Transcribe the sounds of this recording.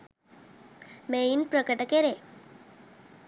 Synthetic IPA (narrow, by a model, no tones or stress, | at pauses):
meinpɾəkəʈəkeɾe